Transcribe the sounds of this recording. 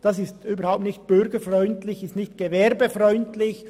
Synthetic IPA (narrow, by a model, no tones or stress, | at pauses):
d̥ɑsɪstyːbəɾhaʊp̚tnɪçt̚b̥ʏɾɡəfrɔʏntlɪçɪstnɪçtɡ̥evɛɾbefrɔʏntlɪç